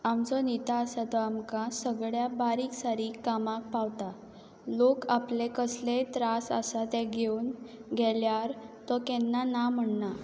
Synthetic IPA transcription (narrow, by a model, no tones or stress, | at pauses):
amt͡sɔnit̪aːsat̪ɔamkãsəɡɭjabaɾiːksaɾikːamãk̚pawt̪a | lokaplekəslet̪ɾasə̰sat̪ɛ̃ɡʱeunɡʱɛljaɾt̪ɔkɛ̃nːanam̤əɳna